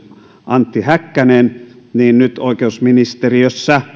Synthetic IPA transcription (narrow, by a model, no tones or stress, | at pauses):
ʔɑnt̪ːihækːænen | niːnnyt̪oˑikeusminist̪eriøsːæ